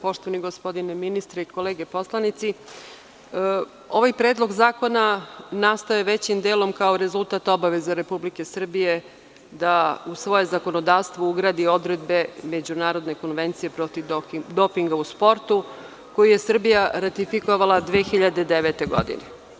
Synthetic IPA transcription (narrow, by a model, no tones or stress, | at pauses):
po̞ʃt̪o̞ʋaniɡo̞spo̞d̪ineminist̪ɾeiko̞leːɡe̞po̞slˠanit̪si | o̞ʋajpɾe̞ːd̪lˠo̞ɡzaːko̞nanast̪oeʋe̞t͡ɕimd̪eːlo̞mkao̞ɾe̞zulˠt̪aːt̪o̞baʋe̞zaɾe̞publike̞sr̩bije̞ | d̪ausʋo̞je̞zako̞nod̪aːʋst̪ʋouɡɾad̪io̞d̪ɾe̞d̪be̞me̞d͡ʑunaːɾo̞d̪ne̞ko̞nʋe̞nt̪sije̞pɾo̞t̪iʋd̪o̞piŋɡauspo̞ɾt̪u | ko̞jije̞sr̩bijaɾat̪ifikoʋalad̪ʋeːxiʎad̪e̞d̪eʋet̪e̞ɡo̞̰d̪ḭne